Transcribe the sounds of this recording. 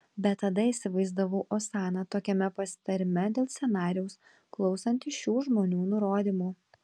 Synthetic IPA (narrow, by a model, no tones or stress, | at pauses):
bʲɛt̪ːɐd̪ɐɪsʲɪʋɐɪzd̪ɐʋɐʊʔoːsɑːnɑt̪oːkʲɛmʲɛpɐsʲɪ̥t̪ɐɾʲɪmʲɛd̪ʲeːlˠsʲɛnɑːɾʲɪjɛʊs | klˠɒʊsɐnʲt̪ʲɪʃʲuːʒmoːnʲuːnʊɾoːd̪ʲiːmuː